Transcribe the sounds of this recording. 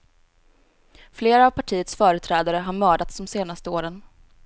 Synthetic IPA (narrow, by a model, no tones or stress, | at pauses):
fleːɾaːvpʰaʈʰiːət̪sfœːɾət̪ʰɾɛːd̪aɾəɦaɾmœːɖat̪sd̪ɔmseːnast̪əoːɾən